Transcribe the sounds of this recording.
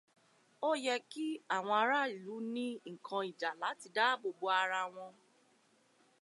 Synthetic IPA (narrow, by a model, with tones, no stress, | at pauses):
o˦jɛ˧ki˦a˦˨w̃ɔ̃˧a˧ɾa˦i˨lu˨˦nĩ˦ŋ̩˨kʰã˧i˨d͡ʒa˨la˨˦ti˧da˦bo˨bo˧a˧ɾa˧w̃ɔ̃˧